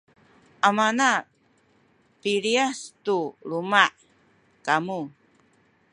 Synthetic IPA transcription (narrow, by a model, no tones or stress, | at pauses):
ʔamana | piɾiast̪uɾumaʔ | kamu